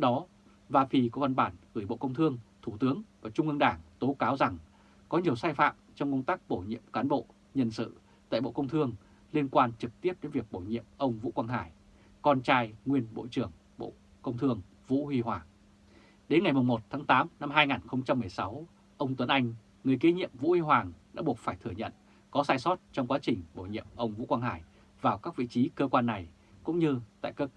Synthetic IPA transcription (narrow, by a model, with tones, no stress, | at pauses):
ɗɔ˨˦ | vaː˧fi˧kɔ˨˦va˨˧˩nɓaː˧˩nɣɨː˧˩jɓo̰˧˨kə˧wŋ͡mt̪ʰɨ˧əŋt̪ʰu˧˩t̪ɨ˨˦əŋvaː˨˩t͡ɕʊ˧ŋ͡mʔɨ˧ŋɗaː˧˩ŋt̪o˨˦kaː˨˦wza˨˩ŋ | kɔ˨˦ɲi˨˩əwsaː˧jfa̰ː˧˨mt͡ɕɔ˧wŋ͡mkə˧wŋ͡mt̪aː˦˥k̚ɓo˧˩jɲḭ˧˨əmkaː˨˦nɓo̰˧˨ | ɲə˧nsɨ̰˧˨ | t̪a̰ː˧˨jɓo̰˧˨kə˧wŋ͡mt̪ʰɨ˧əŋ | li˧ənkwaː˧nt͡ɕɨ˨˩k̚t̪i˦˥əp̚ɗe˨˦nvi˨˩ək̚ɓo˧˩jɲḭ˧˨əmʔə˧wŋ͡mvṵ˧˥kwaː˧nɦa̰ː˧˩j | kɔ˧nt͡ɕaː˧jŋwi˧ənɓo̰˧˨t͡ɕɨ˧˩əŋ | ɓo̰˧˨ | kə˧wŋ͡mt̪ʰɨ˧əŋ | vṵ˧˥hi˧ɦwaː˨˩ŋ | ɗe˨˦nŋa˨˩jmʊ˨˩ŋ͡mmo˨˩t̚t̪ʰaː˨˦ŋt̪aː˨˦mna˧mɦaː˧jŋaː˨˩nxə˧wŋ͡mt͡ɕa˧mːɨ˨˩əjsa˨˦w | ʔə˧wŋ͡mt̪wə˨˦nʔa˧jŋ̟ | ŋɨ˨˩əjke˨˦ɲḭ˧˨əmvṵ˧˥hi˧ɦwaː˨˩ŋɗa̰ː˧˥ɓu˨˩ət̚faː˧˩jt̪ʰɨ˧˩əɲə̰˧˨n | kɔ˨˦saː˧˩jsɔ˦˥t̚t͡ɕɔ˧wŋ͡mkwaː˨˦t͡ɕï˨˩ŋ̟ɓo˧˩jɲḭ˧˨əmʔə˧wŋ͡mvṵ˧˥kwaː˧nɦa̰ː˧˩j | vaː˨˩wkaː˦˥k̚vḭ˧˨t͡ɕi˨˦kəː˧kwaː˧nːa˨˩j | kʊ̰˧˥ŋ͡mɲɨ˧t̪a̰ː˧˨jkəː˧